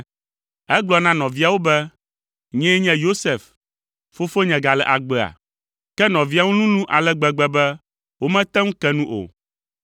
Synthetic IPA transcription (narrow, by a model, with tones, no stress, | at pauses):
ɛ˦ɡ͡blɔ˨nã˦nɔ̃˨vi˦a˨wo˦bɛ˦ | ɲɛ̃˦ɲɛ̃˦jo˦sɛ˨f | fo˦fo˦ɲɛ̃˨ɡa˨lɛ˨ʔa˨ɡ͡bɛ˨a̰˨ | kɛ˦nɔ̃˨vi˦a˨wu˦nũ˦nũ˦ʔa˨lɛ˦ɡ͡bɛ˨ɡ͡bɛ˦bɛ˦ | wo˦mɛ̃˦t̪ɛ˦ŋũ˦kɛ˦nũ˦ʔo̰˨